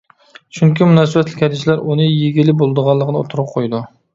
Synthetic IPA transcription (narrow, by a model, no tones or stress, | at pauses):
t͡ʃʰuŋkʲimunɑs̬ɨbɛt̪ʰlɪkʲʰhɛd̪ɪʃlæɾʔunɨjeɡʲɪlːɪbolˠd̪əʁɑlˠːəqənɨo̰t̪ʰʊɾɨp̚qʰojd̪u